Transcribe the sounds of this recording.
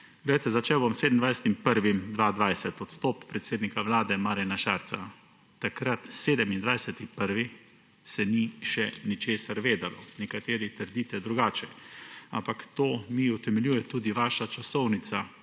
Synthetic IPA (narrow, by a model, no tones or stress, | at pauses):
ɡ̥lɛjat̪ɛzat͡ʃewbɔmseːd̪əmnd̪ʋajsɛ̥t̪impəɾʋimd̪ʋaːd̪ʋajsɛt̪ɔt̪st̪ɔːppːɾɛt̪seːd̪nikaʋlaːd̪ɛmaːɾɛnaʃaːɾt̪sa | t̪akɾat̪seːd̪ɛmind̪ʋajsɛt̪ipəɾʋi | sɛniʃɛnit͡ʃeːsaɾʋeːd̪alɔnɛkat̪eːɾit̪əɾd̪iːt̪ɛd̪ɾuɡaːt͡ʃɛa̰mpakt̪oːmiɔt̪ɛmɛljuːjɛt̪uːd̪iʋaːʃat͡ʃasɔwnit̪sa